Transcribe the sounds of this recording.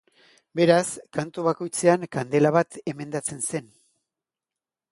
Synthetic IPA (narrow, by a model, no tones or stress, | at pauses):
be̞ɾaskant̪uβ̞ako̞jt͡se̞aŋkand̪e̞laβ̞at̪e̞me̞nd̪at͡se̞nse̞n